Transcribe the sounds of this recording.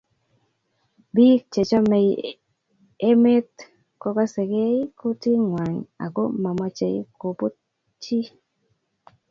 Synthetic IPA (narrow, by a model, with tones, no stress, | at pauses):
bi˦k̚t͡ʃe˨t͡ʃɔ˦me˨ | e˦me˦t̪ | kɔ˦ka˦se˨ɡe˦i˦ko˦ti˦ŋwa˨ɲa̰˨ɡo˦ma˨ma˨t͡ʃe˨ḭ˦ko˨po˦ | t͡ʃi˦